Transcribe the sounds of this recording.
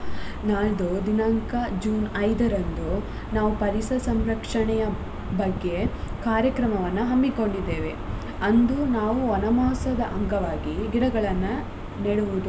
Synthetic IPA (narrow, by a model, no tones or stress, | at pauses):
naːɭd̪ud̪inɐŋkɐd͡ʒuːnɐjd̪ɐɾɐnd̪u | naːʋupɐɾisɐsɐmɾɐkʂɐɳɛjɐ | bɐɡːe̞kaːɾjɐkɾɐmɐʋɐnːuɦɐmːiko̞ɳɖid̪ːe̞ːʋe | ɐnd̪unaːʋuɐnɐmaːsɐd̪ɐʔɐŋɡɐʋaːɡiɡiɽɐɡɐɭɐnːɐ | neɽuʋud̪u